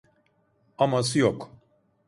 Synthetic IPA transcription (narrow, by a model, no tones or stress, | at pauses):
amasɯjok